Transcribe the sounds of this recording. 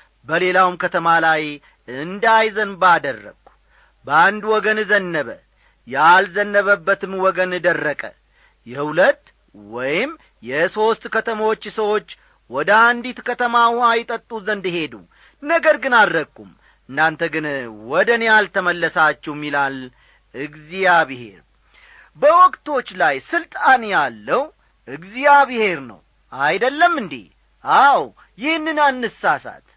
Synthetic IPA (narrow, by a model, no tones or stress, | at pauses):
bəle̞lawmkʰət̪ʰəmalaj | ɨnd̪ajzənbad̪ərːə̰ɡ̥u | bəand̪wɔɡənzənːəβə | jalzənːəβəbːət̪ɨmwɔɡənɨd̪ərːəkʼə̰ | jɛhhulət̪ː | wɔjɪm | jɛso̞st̪kət̪ʰəmawot͡ʃːsəwo̞t͡ʃː | wɔd̪əand̪it̪kʰət̪ʰəmaajɪt̪ʼət̪ʼːuzənd̪ɨɦe̞d̪ṵ | nəɡəɾɡɨnalːəkʼːum | ɨnːant̪ʰəɡɨnwɔd̪ənejalt̪ʰəməlːəsat͡ʃːɛwmːilal | ʔɨɡzijaβɨhe̞ɾ | bəwɔkʼt̪ʰo̞t͡ʃːlajsɨlt̪ʼanjalːəw | ʔɨɡzijaβɨhe̞ɾnə̰w | ajd̪əlːəmːɨnd̪ḭ | ʔaw | jɪhnːɨnanːɨsːasa̰t̪